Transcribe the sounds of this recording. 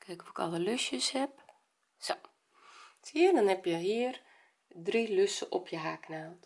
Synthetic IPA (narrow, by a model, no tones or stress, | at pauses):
kʰɛjkɔfɪkɔ̰lˠəløsjəshɛp̚ | so | tiədɔnhɛpjəhiər | driløsəʔopʰjəɦaːknaːlˠt